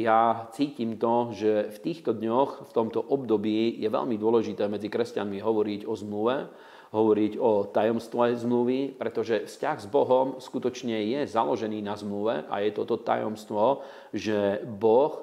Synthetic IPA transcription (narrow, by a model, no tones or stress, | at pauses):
jat͡siːcimt̪ɔʒɛft̪iːxt̪ɔd̪ɲɔxft̪ɔmt̪ɔʔɔbd̪ɔbiːjɛʋɛ̰ʎmid̪ʊɔlɛʒit̪ɛːmɛd͡zikɾɛscanmiɦɔʋɔɾiɟɔzmluʋɛ | ɦɔʋɔɾiɟɔt̪ajɔmst̪ʋɛzmluʋipɾɛt̪ɔʒɛfscaɣzbɔɦɔmskut̪ɔt͡ʃɲɛjɛza̰lɔʒɛniːnazmluʋɛʔa̰jɛt̪ɔt̪ɔt̪a̰jɔ̰mst̪ʋɔ | ʒɛbɔx